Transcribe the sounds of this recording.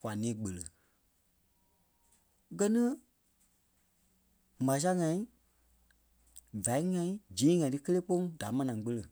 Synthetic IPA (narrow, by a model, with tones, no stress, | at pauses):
kwa˨nĩː˨˦ɡ͡bə˨lə˨ | ɡɜ˧nĩ˦ | mã˨˦s̬a˦ŋã˧ĩ˦ | va˨i˦ŋã˧ĩ˦d͡ʒĩː˨˦ŋã˨˦tɨ˦kə˦leː˦k͡po˦ŋda˨˦mã˧nã˨˦k͡pə˧lə˨